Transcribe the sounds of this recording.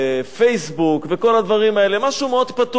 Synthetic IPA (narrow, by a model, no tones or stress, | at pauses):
fejsbukveko̞lad̪vaʁimae̞le̞maʃumeo̞d̪pat̪